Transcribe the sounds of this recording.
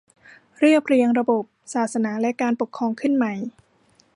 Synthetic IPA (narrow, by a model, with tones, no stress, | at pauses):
ɾɯ˥˩əpʰɾi˧əŋɾa˧bo˨˩p̚saː˨˩t̪̚sa˧˥naː˩˦lɛ˦˥kaː˧npo˨˩kʰːɔː˧ŋkʰɯ˥˩nma˨˩j